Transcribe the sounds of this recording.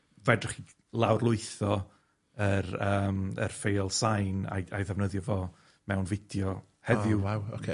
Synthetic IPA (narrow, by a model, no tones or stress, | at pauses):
vɛdrɪχi | lˠawrlˠʊɨθɔ | əɾəːmə̰rfejlˠsajna̰jajðɛvnəðjɔvɔ | mɛwnvɪdjɔ | hɛðjʊaokʰe